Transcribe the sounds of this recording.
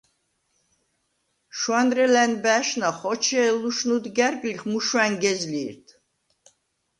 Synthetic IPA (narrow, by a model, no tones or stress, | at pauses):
ʃwanɾɛlænbæʃnaχɔt͡ʃʰɛluʃnud̪ɡæɾɡʼliχmuʃwæŋɡɛzliːɾt̪ʰ